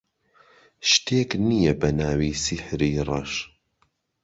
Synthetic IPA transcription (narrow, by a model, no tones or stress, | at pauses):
ʃt̪ʰeːknijɐbɐnaːwiːsɪħɾiːrˤɐʃ